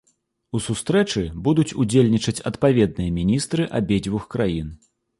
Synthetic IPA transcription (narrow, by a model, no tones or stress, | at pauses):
usust̪ɾɛt͡ʂɨbud̪ut͡sʲud͡zʲelʲnʲit͡ʂɐt͡sʲɐt̪pavʲɛd̪̚nɨjɐmʲinʲist̪ɾɨʔabʲed͡zʲvuxkɾajin